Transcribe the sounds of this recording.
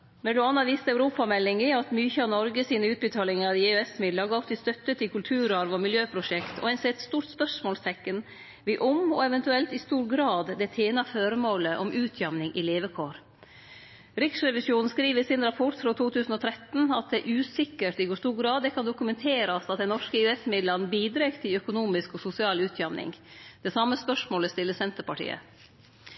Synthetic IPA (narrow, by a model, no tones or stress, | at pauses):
mɛd̪ʊɑːnɑʋiːst̪ɑʉɾuːpɑmɛlːɪŋɪɑt̪myːçəɑʋnɔɾɡəsiːnəʉːt̪̚bət̪ʰɑːlɪŋɑɾɪeøɛsmɪd̪lɑɡɑft̪ɪst̪œt̪ːət̪ʰɪlkʰʉlt̪ʰʉːɾɑɾʋɔmɪljøːpʰɾʊʂɛkt̪ʰɔ̰ɛnsɛɛt̪st̪uːɾʈ̪spœʂmoːlst̪ʰɛkːən | ʋɪʔɔmɔɛʋɛnt̪ʉɛlt̪ɪst̪uːɾɡɾɑːd̪d̪ɛt̪ʰeːnɑføːɾəmoːləʔɔmʉːt̪ʰjɑmnɪŋʔɪleːʋəkʰoːɾ | ɾɪksɾɛʋɪsjuːnn̩skɾiːʋəsɪnɾɑpʰɔʈfɾoːt̪ʰuːt̪ʰʉːsn̩ɔt̪ʰɾɛt̪n̩ɑt̪̚d̪ɛʔʉːsɪkːəʈɪɡoːst̪uːɾɡɾɑːd̪d̪ɛkʰɑnd̪ʊkʉmɛnt̪ʰeːɾɑsɑt̪̚d̪ɛnɔʂkəɪɛsmɪd̪lɑnbiːd̪ɾekt̪ʰɪlœkʊnuːmɪskɔsʊsɪɑːlʉːt̪ʰjɑmnɪ̰ŋd̪̥ɛsɑmːəspœʂmoːləst̪ɪlːəsɛnt̪əɾpɑʈʰḭːə̰